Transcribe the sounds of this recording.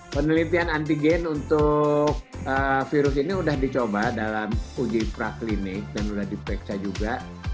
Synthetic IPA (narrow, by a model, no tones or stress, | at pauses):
pənəlit̪ianant̪iɡɛnunt̪ʊk̚əfiɾʊs̬iniudahdit͡ʃobadalamud͡ʒipɾaklinɪk̚danudahdipɾɛksad͡ʒuɡa